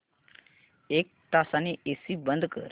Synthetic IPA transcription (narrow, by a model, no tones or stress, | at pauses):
ek̚t̪asaniesibənd̪kə̰ɾ